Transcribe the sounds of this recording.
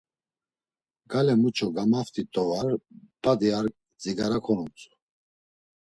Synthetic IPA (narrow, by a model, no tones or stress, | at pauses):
ɡ̥alɛmut͡ʃʰɔɡamaft̪ʰʼit̪ʼɔvaɾpʼad̪iaɾk̚ʼ | d͡ziɡaɾakʰɔnut͡sʼu̥